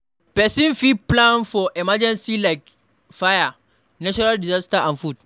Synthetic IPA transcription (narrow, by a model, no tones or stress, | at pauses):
pɛsĩnfiplãnfɔʔɛmad͡ʒɛ̃nsilaɪk | faja | nat͡ʃɔɾaldizastaʔãnfud̚